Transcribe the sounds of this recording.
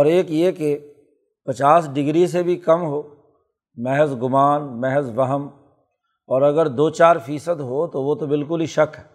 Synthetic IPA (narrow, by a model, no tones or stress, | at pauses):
ɔːɾeːkjeːke | pɐt͡ʃaːsɖɪɡɾis̬ebʱikɐmɦoː | mɛɦzɡʊmaːnmɛɦzʋɐɦəm | ɔːɾɐɡəɾd̪oːt͡ʃaːɾfiːsəd̪ɦot̪oʋot̪obɪlk̬ʊliʃɐkɦɛ